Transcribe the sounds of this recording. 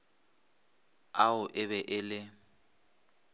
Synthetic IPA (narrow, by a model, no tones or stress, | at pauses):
aʊʔɪβɛʔɪlɪ